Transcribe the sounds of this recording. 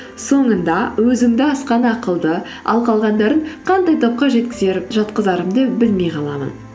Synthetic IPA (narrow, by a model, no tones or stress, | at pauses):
so̞ɴənd̪ɑwɵzɪŋd̪ɪɑsqɑnɑqəlˠd̪ə | ɑ̰lˠqɑlˠʁɑnd̪ɑɾəɴqʰɑnd̪ɑjt̪ʰop̚qɑʒe̞t̪kʲɪzeʒɑt̪qəzd̪ɑɾəmd̪əbɪlme̞jqʰɑlˠɑmə̰n